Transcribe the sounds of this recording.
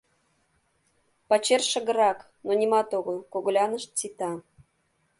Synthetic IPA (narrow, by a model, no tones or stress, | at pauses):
pɑt͡ɕerʃə̆ɣə̆ɾɑk | nonʲimɑt̪oɣəlˠkoɣlʲɑnə̆ʃt̪̚t͡sit̪ɑ